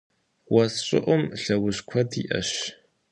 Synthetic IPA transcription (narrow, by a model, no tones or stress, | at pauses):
wɐsɕʼɪ̰ʔʷʊmɬɐwʊɕkʷʰɐdḭʔɐ̰ɕ